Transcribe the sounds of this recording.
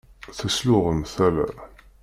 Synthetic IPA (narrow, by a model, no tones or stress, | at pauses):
θæslʊʁəmθælæ̰